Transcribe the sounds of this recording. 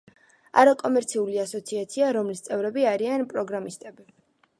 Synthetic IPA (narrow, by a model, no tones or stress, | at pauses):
a̰ɾakʼɔmɛɾt̪sʰiuliasɔt̪sʰiat̪sʰiaɾɔmlist̪sʼɛvɾɛbiaɾianpʼɾɔɡɾamist̪ʼɛbi